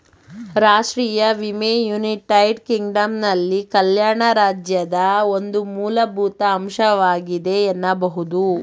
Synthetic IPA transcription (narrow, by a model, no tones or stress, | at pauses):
ɾaːʂʈɾiːjɐʋimeːjuːniʈɐjɖkiŋɡɖɐmnɐlːikɐljaːɳɐɾaːd͡ʒjɐd̪ɐo̞nd̪umuːlɐbʱuːt̪ɐːmʃɐʋaːɡid̪e̞ːnːɐbɐɦud̪u